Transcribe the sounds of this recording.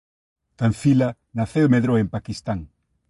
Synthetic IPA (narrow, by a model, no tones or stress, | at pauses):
t̪anfila | naθemeðɾoempakist̪aŋ